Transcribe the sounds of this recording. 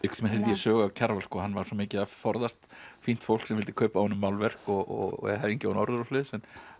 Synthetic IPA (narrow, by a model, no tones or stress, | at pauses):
ɪkt̪mɛnɛɾðijɛsœːɣacʰaɾvalskɔːɦanːvaɾ̥sɔːmɪːcɪafɔɾðast̪fin̥t̪fow̪̥ksɛmvɪlt̪ɪkʰœːpawhɔnːʏmːaːwlvɛr̥kɔɣʔɔ̰ɣ̰ɛ̰haɾiɲcɪawnɔɾðʏɾɔslɪːðsɛnː